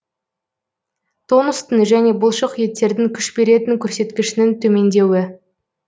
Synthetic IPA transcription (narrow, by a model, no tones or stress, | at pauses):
t̪ʰonəst̪ənʒæne̞bʊlˠʃəqje̞t̪ːe̞ɾd̪ɪŋkʲʰʏʃbe̞ɾe̞t̪ɪŋkʲʰɵɾse̞t̪kʲɪʃɪnɪnt̪ʰɵme̞nd̪e̞wɪ